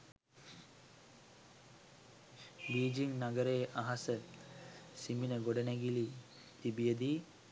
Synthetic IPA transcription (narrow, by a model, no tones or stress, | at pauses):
biːd͡ʒiŋnaɡəɾeːʔaɦasə | siminəɡoɖənæɡili | t̪ibijəd̪iː